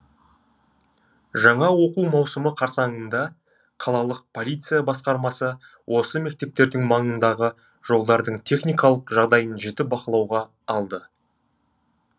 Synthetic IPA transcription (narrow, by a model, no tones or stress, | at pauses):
ʒɑɴɑwo̞quwmɑwsəməqʰɑɾsɑŋənd̪ɑ | qʰɑlˠɑlˠəq̚pʰo̞lʲijt̪sɨjabɑsqɑɾmɑsə | wʔo̞səme̞k̚t̪e̞p̚t̪e̞ɾd̪ɪŋmɑɴənd̪ɑʁə | ʒ̥o̞lˠd̪ɑɾd̪əɴt̪ʰe̞χnijkɑlˠəqʒɑʁd̪ɑjənʒɪt̪ɪbɑqəlˠɑwʁɑː | lˠd̪ə